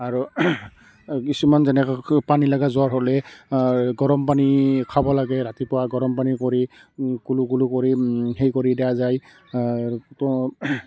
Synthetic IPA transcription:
aɹu | kisumanzɛnɛkɔpanilaɡazʊaɹɦɔlɛ | ɡɔɹɔmpanikʰabɔlaɡɛɹatipɔwaɡɔɹɔmpanikoɹikulukulukoɹiɦejkoɹidɛjazaj | tɔ

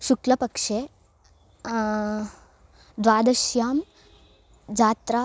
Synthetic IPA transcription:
ʃuklɐpɐkʂeː | d̪ʋaːd̪ɐʃjaːm | d͡ʒaːt̪ɾa

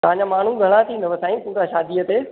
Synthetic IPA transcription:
t̪ɐɦãɲd͡ʑamaːɳ̤ũɡʱɐɽ̃at̪ʰĩnd̪əʋəsãːĩt̪ũːkaʃaːd̪iət̪eː

